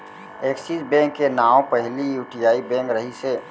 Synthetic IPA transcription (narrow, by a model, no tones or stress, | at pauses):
eːksisbɛ̃ŋkːenaːõpəɦlijuːʈijaːibɛ̃ŋkɾəɦise